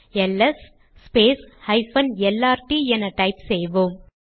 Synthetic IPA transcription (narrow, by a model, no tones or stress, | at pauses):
ɛlːɛsː | peːshɐɪfɐnɛlːaːɾʈiɛnɐʈɐɪpsɛjʋoːm